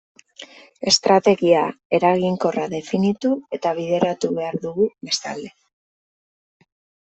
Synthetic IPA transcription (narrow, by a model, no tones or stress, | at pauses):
e̞st̪ɾat̪e̞ɣiae̞ɾaɣiŋko̞raðe̞finit̪ue̞t̪aβ̞iðe̞ɾat̪uβe̞aɾðuɣuβe̞st̪a̰ld̪e̞